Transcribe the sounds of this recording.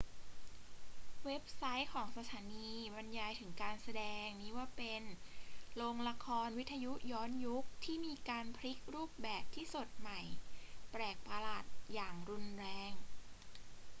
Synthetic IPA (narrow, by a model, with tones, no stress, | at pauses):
we˦˥p̚sa˦˥jkʰɔː˩˦ŋsa˧t̪ʰaː˩˦niː˧ba˧njaː˧jt̪ʰɯ˩˦ŋkaː˧nsa˧dɛː˧ŋniː˦˥waː˥˩pe˧nloː˧ŋla˧kʰɔː˧nwt̪ʰːa˧ju˦˥ʔjɔː˦˥nju˦˥k̚t̪ʰiː˥˩miː˧kaː˧npʰli˦˥k̚ɾuː˥˩p̚bɛː˨˩p̚t̪ʰiː˥˩so˨˩t̪̚ma˨˩jpɾɛː˨˩k̚pa˧laː˨˩t̪̚jaː˨˩ŋɾu˧nɾɛː˧ŋ